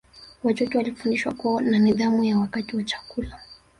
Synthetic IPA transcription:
wat͡ʃɔtɛwalifundiʃwa̰kuɔnaniðamujawakatiwat͡ʃḁkula

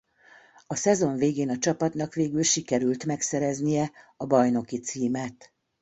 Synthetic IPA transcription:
ɒsɛzo̞ɱveːɡeːnɒt͡ʃɒpɒt̪nɒkʋeːɡylʃikɛɾylt̪mɛksɛɾɛznijɛɒbɒjno̞kit̪siːmɛt̪

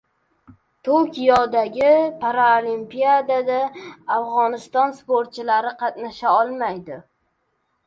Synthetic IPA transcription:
t̪ʰokʲʰijɒd̪aɡʲɪpʰaɾaolimpijad̪ad̪aːfʁɒnɪst̪ɒnspoɾt̪̚t͡ʃʰɪlaɾɪqʰɑt̪naʃaɒlˠmajd̪ɪ

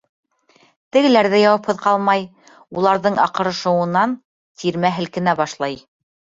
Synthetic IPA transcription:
t̪ɘ̆ɡɘ̆læɾðɘjɑwɑphɤ̆ðqɑlˠmɑj | ulˠɑɾðɤɴɑqɤ̆ɾɤ̆ʃɤ̆wɤ̆nɑn | t̪ʰiɾmæɦɘ̆lkɘ̆næbɑʃlˠɑj

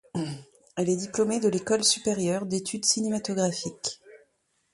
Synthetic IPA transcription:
ɛlɛd̪iplomed̪əlekɔlsypeʁjœʁd̪et̪ʰyd̪sinemat̪ɔɡʁafik

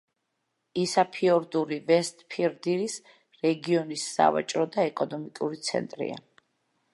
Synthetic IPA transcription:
isapʰiɔɾd̪uɾivɛst̪ʼpʰiɾd̪iɾis | ɾɛɡiɔnisːa̰va̰t͡ʃʼɾɔd̪aɛkʼɔnɔmikʼuɾit̪sʰɛ̰nt̪ʼɾḭa̰

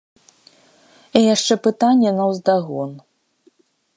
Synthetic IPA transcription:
ijaʂt͡ʂɛpɨt̪anʲːɛnɐwzd̪aɣɔn

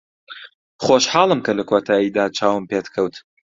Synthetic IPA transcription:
χoːʃħɑːlˠɨmkʰɐlɐkʰoːt̪ʰaːjiːd̪aːt͡ʃʰaːwɨmpeːt̪kʰɐwt̪

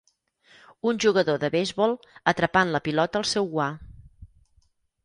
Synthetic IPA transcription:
unʲʒuɣəðoðəβejzβɔlˠ | ət̪ɾəpanləpilɔt̪əːlˠsɛwɣwa

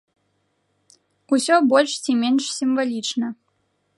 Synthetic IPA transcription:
usʲɔbɔlʲʂt͡sʲimʲenʂsʲimvalʲit͡ʂnɐ

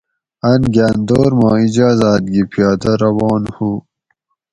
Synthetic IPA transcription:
anɡaːnd̪oːɾmaːid͡ʑaːzaːt̪̚ɡipʰijɑːd̪ɐɾɐwɑːnhu

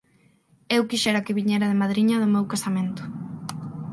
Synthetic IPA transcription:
ewkiʃɛɾakɪβiɲeɾaðemaðɾiɲɐðʊmewkasamẽnt̪ʊ̥

